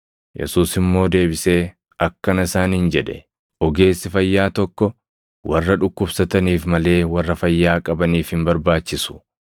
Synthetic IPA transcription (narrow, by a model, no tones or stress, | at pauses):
jʔɛ̰suːsɪmːo̞ːd̪e̞ːbɪseː | ɐkːɐnɪsaːnhɪnd͡ʒɛᶑɛ̥ | ʔɔɡe̞ːsːɪfɐjːaːt̪ɔkːɔ | wɐrːɐᶑʊkːʊbsɐt̪ɐniːfmɐle̞ːwɐrːɐfɐjːaːkʼɐbɐniːfhɪmbɐɾbaːt͡ʃːɪsʊ̥